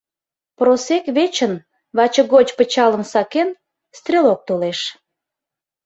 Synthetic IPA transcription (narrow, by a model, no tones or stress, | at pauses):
prosekβet͡ɕən | βɑt͡ɕə̆ɣot͡ɕpət͡ɕɑləmsɑken | st̪rʲelok̚t̪oleʃ